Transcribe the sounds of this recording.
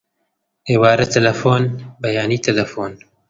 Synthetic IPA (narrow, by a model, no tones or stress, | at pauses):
ewaːɾɐt̪ʰɐlɐfoːnbɐjaːniːt̪ɐlɐfoːn